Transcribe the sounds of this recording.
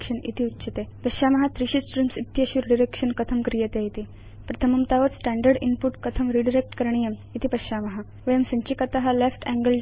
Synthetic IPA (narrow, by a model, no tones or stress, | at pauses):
kʂənḭt̪ʰiutːɕʰət̪epəɕaməɦat̪ɾiɕit͡sʈɾimsit̪jəɕuɾɖiɾekʂənkət̪ʰəmkɾijet̪eit̪i | pɾɐt̪ʰəməmt̪aʋət̪sʈæ̃ɳɖəɾɖinpuʈkət̪ʰəmɾiɖiɾek̚ʈkəɾɳ̃ijəmit̪ʰipəɕaməɦa | ʋəjəmsəɲt͡ɕikət̪aɦalefʈæ̃ŋɡəl